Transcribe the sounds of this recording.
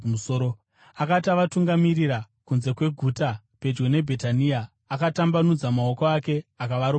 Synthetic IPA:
usoːɾo | akataʋatuŋɡamiriɾa | kunze̞kwe̞ɡʱuta | pe̞d͡ʒɡene̞bʱe̞taniaː | katambanud͡zamao̞koake̞akaʋaɾo

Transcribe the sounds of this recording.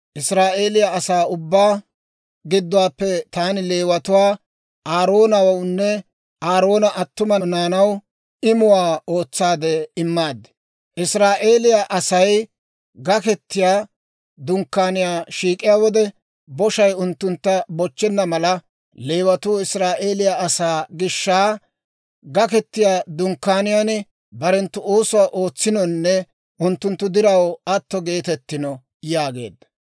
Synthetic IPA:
ʔɪsɾaːʔe̞ːlɪjaɐsaːʊbːaː | ɡɪd̪ːʊwaːpːɛt̪aːnɪle̞ːwɐt̪ʊwaː | ʔaːɾo̞ːnɐwɐwnːɛ | ʔaːɾo̞ːnɐʔɐt̪ːʊmɐnaːnɐw | ɪmʊwaːo̞ːt͡sːaːd̪ɛɪmːaːd̪ɛ | ʔɪsɾaːʔe̞ːlɪjaʔɐsɐj | ɡɐkɛt̪ːɪjaː | d̪ʊŋkːaːnɪjaːʃiːkʼːɪjaːwɔd̪ɛ | bɔʃɐjʊnt̪ːʊnt̪ːɐbɔt͡ʃːɛnːɐmɐlɐ | leːwɐt̪uːɪsɾaːʔe̞ːlɪjaɐsaːɡɪʃːaː | ɡɐkɛt̪ːɪjaːd̪ʊŋkːaːnɪjaːn | bɐɾɛnt̪ːʊoːsʊwaʔo̞ːt͡sːɪnɔnːɛ | ʔʊnt̪ːʊnt̪ːʊd̪ɪɾɐwɐt̪ːɔɡe̞ːt̪ɛt̪ːɪnɔ | jaːɡe̞̰ːd̪ːɐ̥

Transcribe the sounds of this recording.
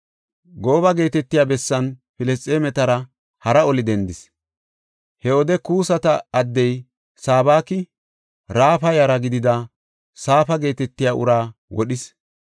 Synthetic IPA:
ɡo̞ːβɐɡe̞ːt̪ɛt̪ːɪjaːbɛsːɐnfɪlɛstʼːeːmɛt̪ɐɾɐ | hɐɾɐɔlɪd̪ɛnd̪ɪs | hɛɔd̪ɛkuːsɐt̪ɐɐd̪ːɛj | saːbaːkɪ | ɾaːfɐjɐɾɐɡɪd̪ɪd̪ɐ | saːfɐɡe̞ːt̪ɛt̪ːɪjaːʔʊ̰ɾaːwɔɗɪs

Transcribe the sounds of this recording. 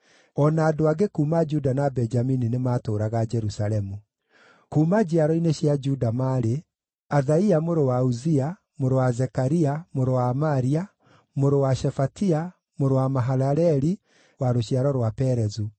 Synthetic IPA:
ɔnaːdoaɡekuːmad͡ʒudanabɛnd͡ʒamininemaːtoːɾaɣad͡ʒɛɾusalɛmu | kuːmad͡ʑiaɾɔineɕjad͡ʒudamaɾe | aðaiamoɾowauzia | moɾowazɛkaɾiamoɾowaːmaɾia | moɾowaʃɛfatia | moɾowamaɦaɾaɾɛɾi | waɾoɕiaɾɔɾwapɛɾɛzu

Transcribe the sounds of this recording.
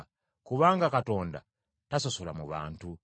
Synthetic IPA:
kuβaŋɡakatɔnda̰ | tasosolamṵβa̰ntu

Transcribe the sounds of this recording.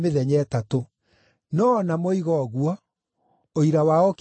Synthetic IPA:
meðɛɲɛːtato | nɔnamoiɣɔɣuɔ | oiɾawaɔk

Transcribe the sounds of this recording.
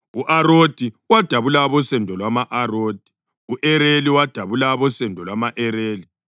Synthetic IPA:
uʔaɾod̥ʱi | wad̥ʱaβulaβɔsɛndʱɔlwamaʔaroːd̥ʱi̥ | uʔɛɾeliwad̥ʱaβulaβɔsɛndʱɔlwamaʔɛɾeːli

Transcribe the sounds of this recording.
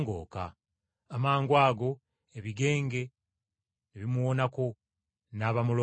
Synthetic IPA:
ŋɡo̰ːka̰ː | maːŋɡwaːɡo̞ | eβiɡe̞ːŋɡe̞ | neβimuwo̞nako̞ | naːβamulo

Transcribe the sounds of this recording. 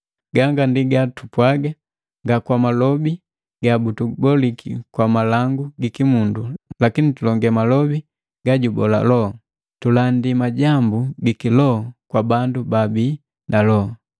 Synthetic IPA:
ɡaŋɡandiɡatupwaɡa | ŋɡakwamalɔbi | ɡabutubɔlikʰḭkwamalaŋɡuɡikimundulakinitulɔŋɡɛmalɔbi | ɡ̥aɟubɔla̰lɔ | tulandimaɟambuɡikilɔkwabandubabiː | nalɔ

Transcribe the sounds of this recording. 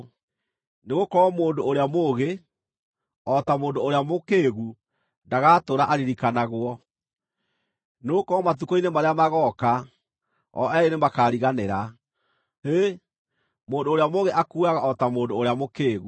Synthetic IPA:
neɣokɔːmoːndoːɾeamoɣe | ɔtamoːndoːɾeamokeːɣu | ndaɣaːtoːɾaʔaɾiɾikanaɣwɔ | neɣokɔɔmat̬ukɔinemaɾeamaɣɔka | ɔ̰ʔɛenemakaːɾiɣaneɾa | e | moːndoːɾeamoɣeʔakuaɣaʔɔtamoːndoːɾeamokeːɣu

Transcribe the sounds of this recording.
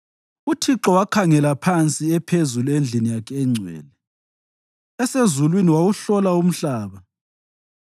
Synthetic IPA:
utʰiǁɔwakʰaŋɛlapʰant͡sʼiɛpʰezuluend͡ɮʱinijakʰɛŋ͡ǀʱwɛ̰ːlɛ | ɛsezulwiniwawuɬɔlaum̩ɬaːβa

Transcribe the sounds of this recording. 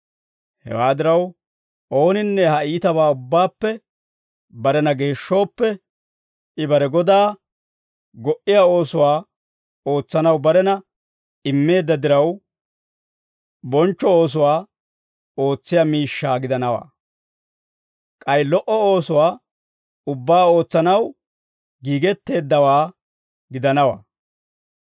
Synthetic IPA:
hɛ̰waːd̪ɪɾɐw | ʔo̞ːnɪnːɛhɐiːt̪ɐβaːʊbːaːpːɛ | bɐɾɛnɐɡe̞ːʃːo̞ːpːɛ | ɪbɐɾɛɡɔd̪aː | ɡɔʔɪjaːo̞ːsʊwaː | o̞ːt͡sːɐnɐwbɐɾɛnɐ | ɪmːe̞ːd̪ːɐd̪ɪɾɐw | bɔnt͡ʃːɔo̞ːs̬ʊwaː | o̞ːt͡sːɪjamiːʃːaːɡɪd̪ɐnɐwa̰ː | kʼɐjlɔʔɔoːsʊwaː | ʊbːaːo̞ːt͡sːɐnɐw | ɡiːɡɛt̪ːe̞ːd̪ːɐwaː | ɡɪd̪ɐnɐwa̰ː

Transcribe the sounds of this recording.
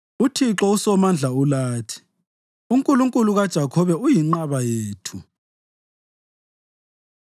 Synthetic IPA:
utʰiǁɔusɔmand͡ɮʱaulaːtʰi̥ | uŋkʼuluŋkʼuluɣad̥ʒ̥ʱakʰɔβɛujiŋ͡ǃaβajeːtʰu

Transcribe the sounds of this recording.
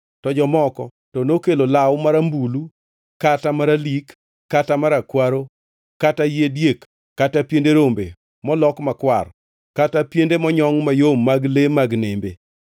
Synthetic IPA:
tɔd͡ʒɔmɔkɔ | tɔnokelolawmaɾambulu | katamaɾalikː | atamaɾakwaɾo | katajedjekː | atapjendeɾombḛ | mɔlɔkmakwar | katapjendemɔɲɔŋmajomːaɡlemaɡnembe

